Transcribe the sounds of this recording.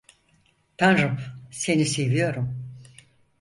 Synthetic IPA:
t̪ʰanɾupse̞nisejvijo̞ɾum

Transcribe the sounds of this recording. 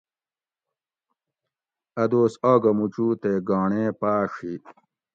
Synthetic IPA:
ɐd̪oːsaːɡɐmut͡ɕuːt̪eɡaːɳẽːpaːʂi

